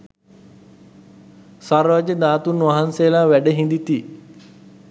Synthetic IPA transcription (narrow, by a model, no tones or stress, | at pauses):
saɾʋad͡ʒəd̪aːt̪unʋaɦansejlaːʋæɖəɦĩnd̪it̪i